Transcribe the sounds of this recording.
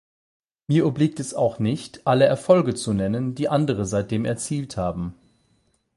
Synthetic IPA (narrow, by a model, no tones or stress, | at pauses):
miːɐʔʏbliːk̚tɛsa̰ʊxnɪçtʔaləɛɐfɔlɡət͡sunɛnənd̥iːʔandəʁ̞əzaɪt̚d̥eːmɛɐt͡siːlthaːbm̩